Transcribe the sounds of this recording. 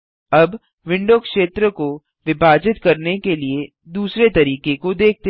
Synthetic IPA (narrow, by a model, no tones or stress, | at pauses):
ɐb | ʋɪ̃ɳɖokʃeːt̪ɾəko | ʋɪbʱaːd͡ʒɪt̪kɐɾnekelie | d̪uːsɾet̪ɐɾiːkekod̪eːk̚ʰt̪e